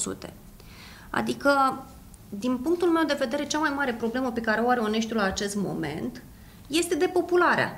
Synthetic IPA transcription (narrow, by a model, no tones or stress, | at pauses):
sṵt̪e̞̥̰ | a̰d̪ikə | d̪inpuŋk̚t̪ulme̞wd̪e̞ve̞d̪e̞ɾe̞t͡ʃamajmaɾe̞pɾo̞ble̞məpe̞kaɾeoaɾeone̞ʃ̬t̪julaːt͡ʃe̞st̪mo̞̰me̞̰nt̪ | je̞st̪e̞d̪e̞po̞pulaɾea̰